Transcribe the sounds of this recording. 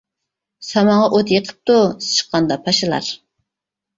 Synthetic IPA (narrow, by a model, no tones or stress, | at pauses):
sɑmɑɴʁɑʔot̪jeqʰə̥p̚t̪ust͡ʃʰə̥qːɑnd̪ɑpʰɑʃɪlˠɑ̰ɾ